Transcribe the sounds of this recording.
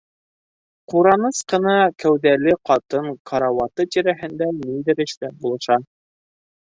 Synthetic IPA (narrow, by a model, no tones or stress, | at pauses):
quɾɑnɤsqɤ̆nɑkæwðælɘqɑt̪ɤɴkʰɑɾɑwɑt̪ɤt̪iɾæɦɘ̆nd̪æniðɘ̆ɾɘ̆ʃlæp̚bulˠɤ̆ʃɑ